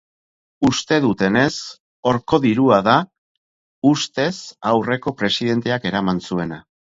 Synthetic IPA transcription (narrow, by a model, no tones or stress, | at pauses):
ust̪e̞ðut̪e̞ne̞s | o̞ɾko̞ðiɾuaða | ust̪e̞sawre̞ko̞pɾe̞siðe̞nt̪e̞ake̞ɾamansue̞na